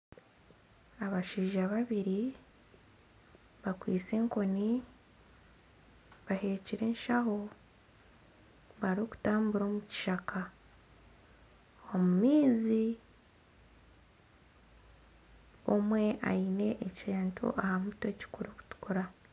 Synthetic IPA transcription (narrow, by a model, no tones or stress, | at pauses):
aβaʃiːʒaβaβiɾi | βakwiːt͡se̞ːŋko̞ni | βahe̞ːciɾe̞ːnʃaɦo̞ | βaɾoku̥taːmbuɾo̞ːmuci̥ʃakʰa | o̞mumiːzi | o̞mwe̞ʔa̰ine̞ʔːcaːntʰṵʔahamuto̞ci̥kuɾoku̥tu̥kuɾa